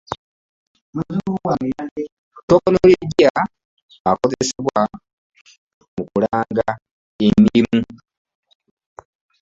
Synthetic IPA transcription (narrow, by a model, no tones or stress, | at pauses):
maz | tokonoliɟia | akozeseβwa | mukulaːŋɡa | enimu